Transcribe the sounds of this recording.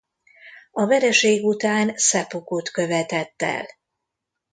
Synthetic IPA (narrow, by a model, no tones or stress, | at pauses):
ɒvɛɾɛʃeːɡut̪aːnsɛpukut̪kø̞vɛt̪ɛt̪ːɛ̰l